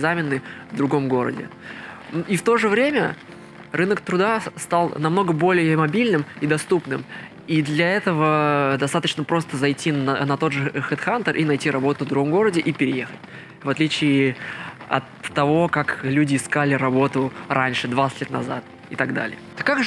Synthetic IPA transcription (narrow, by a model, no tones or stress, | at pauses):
ɪzamʲɪnːɨvd̪ɾʊɡo̞mɡo̞ɾə̰dʲɪ̰nift̪o̞ʐɨvɾʲemʲə | rɨnəkt̪ɾʊd̪ast̪alˠnɐmno̞ɡəbo̞lʲɪjəmɐbʲilʲnɨmid̪ɐst̪upnɨm | id̪lʲɐɛt̪əvəd̪ɐst̪at̪ət͡ɕnəpɾo̞st̪əzɐjtʲːinɐt̪o̞d̪ʐɨxɨt̪xant̪ərʔinɐjtʲiɾɐbo̞t̪ʊvd̪ɾʊɡo̞mɡo̞ɾədʲɪʔipʲɪɾʲɪje̞xət̚ʲ | vɐt̪lʲit͡ɕɪɪ | ɐ̰t̪ːɐvo̞kaklʲʉdʲɪːskalʲɪɾɐbo̞t̪ʊɾʔanʲʂɨd̪vat̪sɨtʲlʲet̪nɐ̰za̰t̪̚ | ɪt̪ɐɡd̪a̰lʲɪ̰jəkːak